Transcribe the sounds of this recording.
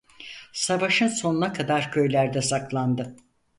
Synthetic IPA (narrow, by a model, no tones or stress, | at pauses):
savaʃɯnso̞nunakʰad̪aɾcʰø̞jlʲæɾd̪ɛsaklˠand̪ɯ